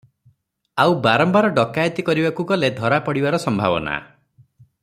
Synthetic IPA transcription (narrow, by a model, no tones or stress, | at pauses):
awbaɾɔmbaɾɔɖɔkajɔt̪ikɔɾibakuɡɔled̪ʱɔɾapɔɽibaɾɔsɔmbʱa̰bɔ̰na̰